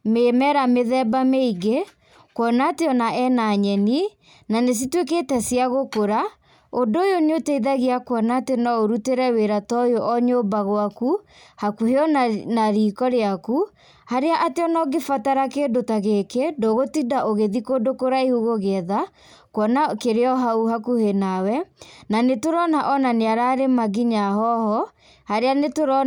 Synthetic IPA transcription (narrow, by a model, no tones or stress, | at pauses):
memɛɾameðɛbameiɡe | kwɔnateɔnaʔɛnaɲɛni | nanes̬itwek̬etɛsjaɣokoɾa | odoːjoneotɛiðaɣeakwɔnatenɔoɾuteɾɛweɾatɔjoʔɔɲobaɣwakuhakuheɔnaɾiːkɔɾeaku | haɾeaʔateɔnɔɡefataɾakedotaɣekedoɣotidaʔoɣeðikodokoɾaehuɣoɣeɛða | kwɔnakeɾeɔɦauhakuhenawɛnanetoɾɔnaʔɔnaneaɾaɾemaɣiɲahɔhɔ | haɾeanetoɾɔ